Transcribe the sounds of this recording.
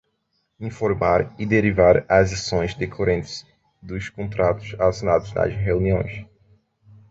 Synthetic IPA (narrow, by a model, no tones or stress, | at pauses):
ĩfoɾmaɾid̪eɾivaɾazasõj̃zd̪ekʰoɾẽnt̪ɪ̥z | d̪ʊskõnt̪ɾat̪ʊ̥zasonad̪ʊzna̰zɦeũniõj̃s